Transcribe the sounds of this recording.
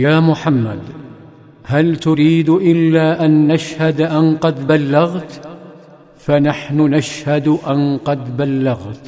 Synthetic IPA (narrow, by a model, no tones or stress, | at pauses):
jaːmʊħamːa̰d̪ | halt̪ʊɾiːd̪ʔɪlːaːʔanːaʃhad̪ʔanqɑd̪balːaɣt̪ | fanaħnʊnaʃhad̪ʔanqɑd̪balːaɣt̪